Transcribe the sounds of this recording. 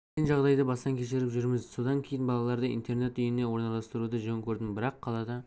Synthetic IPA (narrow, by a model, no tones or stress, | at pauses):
senʒɑʁd̪ɑjd̪əbɑsɑŋkʲʰe̞ʃɪɾɪpʒʏɾmɪzso̞d̪ɑŋkʲʰe̞jɪnbɑlˠɑlˠɑɾd̪əḭnt̪e̞ɾne̞t̪ʏjene̞wo̞ɾnɑlˠɑst̪əɾud̪əʒɵŋkʲʰɵɾd̪ɪmbɪɾɑqʰːɑlˠɑd̪ɑ